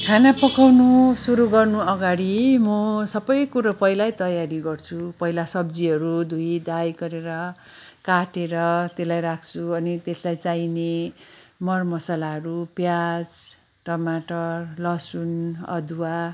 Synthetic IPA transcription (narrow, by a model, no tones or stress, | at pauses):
kʰanapʌkawnusuɾuɡʌrnuʌɡaɽimʌsʌbʌjkuɾʌpʌɦilajt̪ʌjaɾiɡʌrt͡sʰupʌɦilasʌbd͡ziʌɾud̪ʱuid̪ajɡʌɾeɾʌ | kaʈeɾʌt̪elajɾakʰt͡sʰuʌnit̪eslajt͡saine | mʌrmʌsalaɦʌɾupjad͡z | ʈʌmaʈʌrlʌsunʌ̰d̪ʱuwa